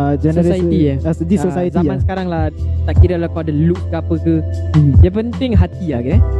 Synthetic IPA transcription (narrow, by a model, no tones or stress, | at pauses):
əd͡ʒɛəsaiiasdisosajzamãnsə̥kaɾaŋlaht̪aʔkiɾaʔlahkaadaluʔ̚kapəkədiapənt̪ɪŋɦat̪iakɛ